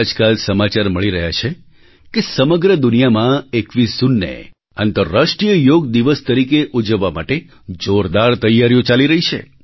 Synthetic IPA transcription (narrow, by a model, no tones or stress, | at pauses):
d͡ʒkalsəmat͡ʃaɾməɭiɾəɦjat͡ʃʰe | kesəməɡɾəd̪ʊnijamãekʋisunːḛ | ant̪əɾaʃʈɾijəjoɡd̪iʋəst̪əɾikeʔud͡ʒəʋːama̰ʈe | d͡ʒoɾd̪aɾt̪əjːaɾjõt͡ʃaliɾəɦit͡ʃʰḛ